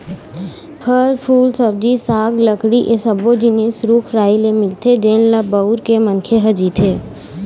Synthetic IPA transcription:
pʰəɾpʰuːlsəb̚d͡ʒisaːɡləkɽiʔesəbod͡ʒɪnesɾukʰɾaːilemɪlt̪ʰed͡ʒeːnlabəuɾkemənkʰeɦɐd͡ʒit̪ʰeː

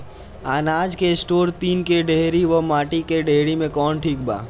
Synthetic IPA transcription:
aːnaːd͡ʒkesʈoːɾt̪iːnkeɖeːɾiʋɐmaːʈikeɖʱeːɽimẽkɔːnʈʰiːk̚ba̰ː

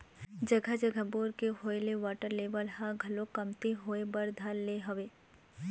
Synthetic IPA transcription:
d͡ʒɐɡʱad͡ʒɐɡʱaboːɾkeɦoːleʋaːʈəɾleːʋəlɦãɡʱɐlokɐmt̪iɦoːebɐɾd̪ʱalːeɦɐʋeː

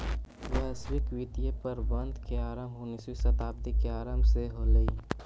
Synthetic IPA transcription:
ʋɛswɪkʋit̪ijepəɾbɐ̃nd̪ʱkeaːɾəmʊniswisɐt̪aːb̚d̪ikeaːɾəmseɦolei

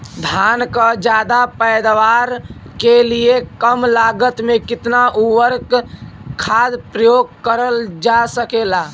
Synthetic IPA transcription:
d̪ʱankəd͡ʒad̪apəjd̪ʋaɾkeliekəmlaɡət̪mekɪt̪naʔuʋəɾkkʰad̪pɾəjoɡ̚kəɾəld͡ʒasəkela

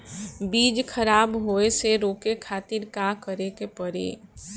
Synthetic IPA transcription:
biːd͡ʒkʰəɾaːbɦoːeseɾoːkekʰaːt̪ɪɾkaːkəɾekepəɾḛː

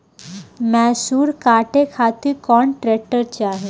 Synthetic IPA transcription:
mɛsuːɾkaʈekʰat̪ikɔːɳʈɾɛk̚ʈəɾt͡ɕeaɦe

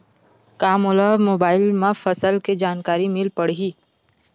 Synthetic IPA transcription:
kaːmʊlamoːbaːɪlmãfɐsəlked͡ʒaːnkaːɾimɪlpɐɽɦiː

